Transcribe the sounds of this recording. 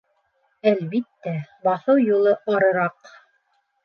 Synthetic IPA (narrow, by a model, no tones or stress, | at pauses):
ælβit̪ːæbɑθɤwjulˠɤʔɑɾɤ̆ɾɑq